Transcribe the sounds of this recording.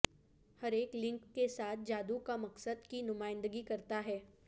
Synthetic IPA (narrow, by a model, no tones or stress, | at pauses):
hɐɾeːklɪ̃ŋkːesaːt̪̚ʰd͡ʒaːd̪ukamɐksəd̪kinʊmaːɪ̃nd̪əɡikɐɾt̪aɦɛː